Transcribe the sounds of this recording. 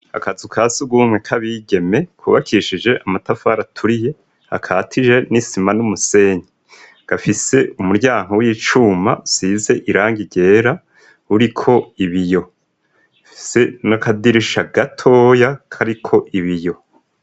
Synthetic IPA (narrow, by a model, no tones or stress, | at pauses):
a̰kazukʰasuɡwuːmŋwekʰaβiɡe̞me̞kwuːβakʰiʃid͡ʒe̞ʔamatafaɾatʰuɾije̞ | ha̰kʰaːtʰid͡ʒe̞nisimanumuse̞ːɲi | ɡ̥afise̞umuɾɟaːŋhowiːt͡ʃuːma̰siːze̞ʔiɾaːŋɡiɟe̞ːɾa | uɾikʰo̞iβijo̞ | fi̥se̞nakadiɾiʃaɡatʰo̞ːjakʰaɾikʰo̞ʔiβijo̞